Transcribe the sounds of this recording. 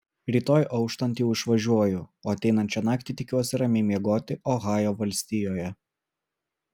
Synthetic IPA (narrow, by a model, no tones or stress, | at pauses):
ɾʲiːt̪oːjʔɒʊkʃt̪ɐnʲt̪jɛʊɪʃʋɐʒʲuɔjʊoːɐt̪ʲɛɪnɐnʲt͡ʃʲɛnɑːkt̪ʲɪt̪ʲɪkʲuɔsʲɪɾɐmʲeːmʲiɛɡoːt̪ʲɪʔoːɣɑːjoːʋɐlʲsʲt̪ʲiːjoːjɛ